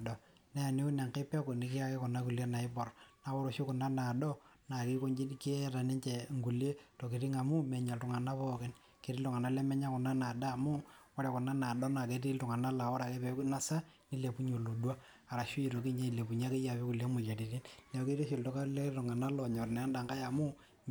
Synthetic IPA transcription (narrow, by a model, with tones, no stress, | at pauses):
dɔ˨ | nɛ˦a˨ne˦ʊ˦na˨ŋke˦pɛ˦kʊ˨nɪ˨kɪ˦a˦kɛ˦kɔ˨na˦ku˨lje˦na˨ɪ˦pɔ˨rna˨˦wɔ˦ɾo˨ʃu˦kʊ˨na˦na˨dɔ˦na˨ki˦ko˦ɲd͡ʒi˦kɪ˦ɛ˦ɾa˨nɪ˦ɲt͡ʃɛ˨ŋɡu˨le˦to˨ki˨ɾɪ˦ŋa˨mʊ˦mɛ˨ɲa˨ltʊ˨ŋa˨na˦pɔ˦kɛ˦n | ke˨ɾɪ˦ltʊ˨ŋa˨na˦lɛ˦mɛ˦ɲa˦kʊ˨na˦na˨daː˦˨mʊ˦kɔ˦ɾɛ˨kʊ˨na˦na˨dɔ˦na˨ke˨˦ti˦ltʊ˨ŋa˨na˦la˨wɔ˦ɾa˨kɛ˦pɛ˨˦kna˦sa˦ | nɪ˦le˨pu˦ɲo˨lo˨dwa˦ | a˨ɾa˨ʃʊ˦i˨ɾo˨kɪ˦ɲa˦i˨le˨pu˨ɲa˦ke˦ja˨pi˦ku˨le˦mʊ˨la˨ti˨ɾi˦nlɛ˨˦ke˦ɾi˦ʃi˨ltɔ˦ka˦lɛ˦tʊ˨ŋa˨na˦lɔ˨ɲɔ˨rnɛ˨a˦nda˨ŋka˦ja˨mʊ˦